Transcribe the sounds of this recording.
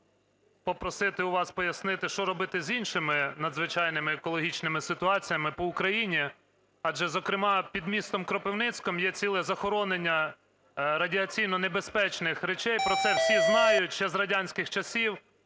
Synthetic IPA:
pɔpɾɔsɪt̪ɪʊʋɑspɔjɐsnɪt̪ɪʃt͡ʃɔɾɔbɪt̪ɪzʲinʃɪmɪnɐd̪zʋɪt͡ʃɑjnɪmɪːkɔlˠɔɦʲit͡ʃnɪmɪsɪt̪ʊɑt͡sʲijɐmɪpɔʊkɾɐjinʲi | ɑʒɛzɔkɾɪmɑpʲid̪mʲist̪ɔmkɾɔpɪwnɪt͡sʲkɔmjɛt͡sʲilˠɛzɐxɔɾɔnenʲːɐ | ɾɐdʲiɐt͡sʲijnɔnebespɛt͡ʃnɪxɾet͡ʃɛjpɾɔt̪sɛwsʲiznɑjʊtʲʃɛzɾɐdʲanʲsʲkɪxt͡ʃɐsʲiw

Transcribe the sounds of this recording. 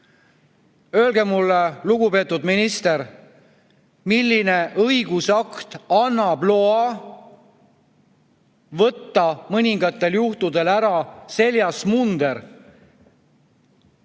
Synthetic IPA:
ø̞ːlɡ̥emulːeluɡ̥upe̞ːt̪ːˑud̪minist̪e̞ɾ | milːine̞ʔɤjɡ̥usɑkt̪ɑnːɑblo̞ɑ | vɤt̪ːɑmɤnʲiŋɡɑt̪ːˑe̞ljuht̪ud̪e̞læɾɑse̞lʲjɑsmund̪̥e̞ɾ

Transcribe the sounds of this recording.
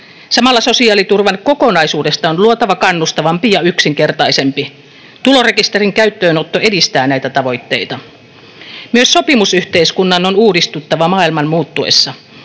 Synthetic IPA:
sɑmɑlːɑso̞siɑːlit̪urʋɑnko̞ko̞nɑjsuːde̞st̪ɑonluot̪ɑʋɑkɑnːust̪ɑʋɑmpijɑyksiŋke̞rt̪ɑise̞mpi | t̪ulo̞re̞kist̪eriŋkæyt̪ːøːnot̪ːoe̞dist̪æːnæjt̪æt̪ɑʋo̞jt̪ːe̞jt̪ɑ | myøsːo̞pimusyht̪e̞iskunːɑno̞nuːdist̪ut̪ːɑʋɑmɑːilmɑnmuːt̪ːuḛsːɑ

